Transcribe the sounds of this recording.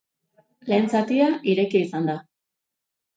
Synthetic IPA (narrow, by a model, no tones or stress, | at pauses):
le̞ːnt͡sat̪iaʔiɾe̞kiːsand̪a